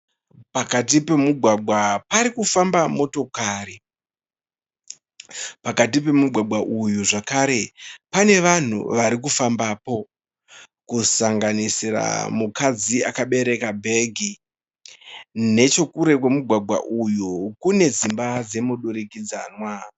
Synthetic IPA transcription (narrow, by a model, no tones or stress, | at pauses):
pakat̬ipe̞muɡʱwaɡʱwapaɾikufambamo̞to̞kaːri | pakat̬ip̬e̞muɡʱwaɡʱwaʔujuʐakaɾe̞pane̞ʋan̤ṵʋaɾik̬ufambaːpo̞ | kusaŋɡanisira̰mukad͡ziakaɓe̞ɾe̞kabʱe̞ɡʱi | ne̞t͡ʃo̞kuɾe̞kwemuɡʱwaɡʱwa̰ʔujukune̞d͡zimbad͡ze̞muɗuɾikid͡zaːnwa